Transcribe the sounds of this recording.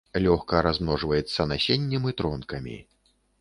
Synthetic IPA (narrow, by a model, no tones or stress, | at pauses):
lʲɔxkɐɾazmnɔʐvɐjɛt̪sːɐnasʲenʲːɛmɨt̪ɾɔnkɐmʲḭ